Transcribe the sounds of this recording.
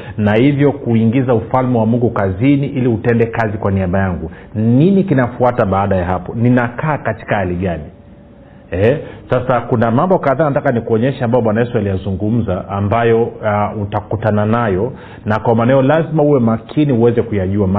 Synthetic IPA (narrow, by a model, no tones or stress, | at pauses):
nahivjɔkuiŋɡizaufalmɛwamuŋɡukaziniʔiliutɛndɛkazikwaniaɓajaŋɡu | ninikinafuataɓaːɗajaɦapɔninakaːkati̥kahaliɠani | ɛsasakunamambɔkaðaːnatakanikuɔɲɛʃaambajɔɓwanajɛsualijazuŋɡum̩zaʔːmbajɔutakutananajɔ | nakwamaːnaajɔlazimauwɛmakʰiniuwɛzɛkujaʄuama